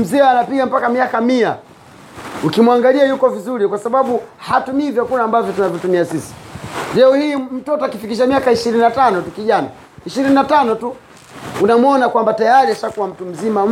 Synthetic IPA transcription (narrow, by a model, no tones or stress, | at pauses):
m̩zɛanapiɡam̩pakamiakamia | ukimwaŋɡaliajukɔvizuɾikwasaɓaɓuhatumivjɔkuɾaːmbavjɔtunavjɔtumiasisi̥lɛɔhiːm̩tɔtɔakifikiʃamiakaiʃiɾininatanɔtukiʄana̰ | iʃiɾininatanɔtu | unamwɔnakwambatajaɾiaʃakuwam̩tum̩zimam